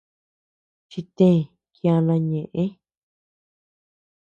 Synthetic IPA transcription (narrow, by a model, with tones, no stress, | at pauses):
t͡ʃi˧t̪ẽ˦˨ | kĩ˧ã˧nã˧ɲẽ˨ʔẽ˦